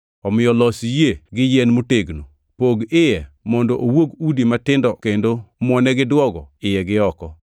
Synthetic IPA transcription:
ɔmɪjɔlɔsijeɡɪjɛnmuteɡno | poɡɪjɛ | mɔndɔʔowoɡudimatɪndɔkendomwɔnɛɡɪdwɔɡɔ̰ɪjɛɡɪɔkɔ

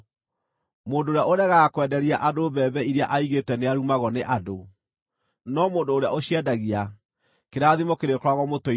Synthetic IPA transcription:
moːndoːɾjaʔoɾɛɣakwɛdɛɾiaʔadobɛːβɛiɾea̰ʔaiɣetɛneaɾumaɣɔneʔado | nɔmoːndoːɾeaoɕiɛdaɣia | keɾaðimɔkeɾekɾwaɣɔmotɔ

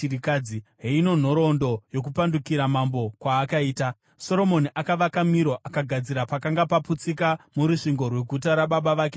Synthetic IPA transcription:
iɾikad͡ziɦeino̞n̤o̞ɾo̞ndo̞jo̞k̬upandukiɾamambo̞kwaːkaiːta | so̞ɾo̞mo̞niʔakaʋakamiɾo̞ʔakaɡʱad͡ziɾapakaŋɡapaput͡sikamuɾuʂiŋɡo̞rwe̞ɡʱutaɾaɓaɓaʋaːke

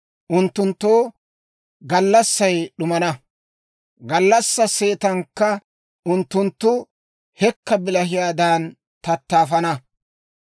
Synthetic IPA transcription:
ʔʊnt̪ːʊnt̪ːoː | ɡɐlːɐsːɐjɗʊmɐnɐ | ɡɐlːɐsːɐse̞ːt̪ɐŋkːɐ | ʊnt̪ːʊnt̪ːʊ | hɛkːɐbɪlɐɦɪjaːd̪aːn | t̪ɐt̪ːaːfɐnɐ

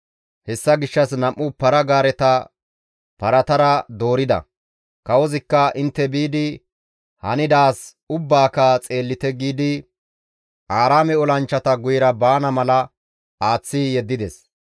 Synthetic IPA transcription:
hɛsːɐɡɪʃːɐsnɐmʔːʊpɐɾɐɡaːɾɛt̪ɐ | pɐɾɐt̪ɐɾɐd̪o̞ːɾɪd̪ɐ̰ | kɐwɔzɪkːɐʔɪnt̪ːɛbiːd̪ɪ | hɐ̰nɪd̪aːs | ʊbːaːkɐt͡sʼe̞ːlːɪt̪ɛɡiːd̪ɪ | aːɾaːmɛɔlɐnt͡ʃːɐt̪ɐɡʊjɪɾɐbaːnɐmɐlɐ | aːt͡sːijɛd̪ːɪd̪ɛs

